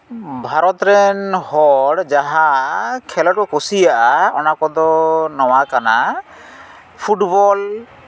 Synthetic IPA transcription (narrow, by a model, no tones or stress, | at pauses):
bʱaɾɔt̪ɾɛnhɔɽd͡ʒaɦakʰɛlɔʈ̚kɔkosijaʔaɔnakɔd̪ɔnɔwakana | pʰuʈbɔl